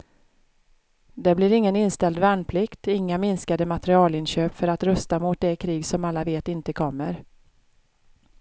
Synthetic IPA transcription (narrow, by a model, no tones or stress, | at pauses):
d̪ɛblɪɾɪŋːənɪnst̪ɛld̪væːɳpʰlɪkt̪ɪŋːamɪnskad̪əmat̪ɾɪɑːlɪnɕøːpfœɾat̪ɾœst̪amʊt̪̚d̪ɛkʰɾiːɡsɔmalːaveːt̪ɪnt̪əkʰɔmːəɾ